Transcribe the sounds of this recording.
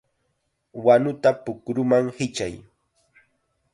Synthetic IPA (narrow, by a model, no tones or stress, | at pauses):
wanʊt̪apʊkɾʊmaŋhɪt͡ʃa̰j